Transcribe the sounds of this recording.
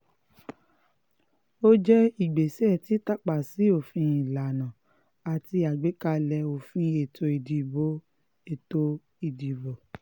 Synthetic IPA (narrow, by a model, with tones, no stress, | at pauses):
o˦d͡ʒɛ˦i˨ɡ͡be˨sɛ˦˨ti˨˦ta˦k͡pa˨si˨˦o˦˨fĩ˧˦i˨la˨nã˨ | a˨ti˧a˨ɡ͡be˨˦ka˧lɛ˧o˨fĩ˧˦e˨to˧i˨di˨bo˦ | e˦˨to˧ | i˨di˨bo˨